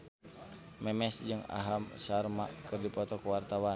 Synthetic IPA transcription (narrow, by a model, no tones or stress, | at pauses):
mɛmɛsd͡ʒɨŋa̰ɦamsarma̰ʔkɨrdipɔt̪ɔkuwart̪awa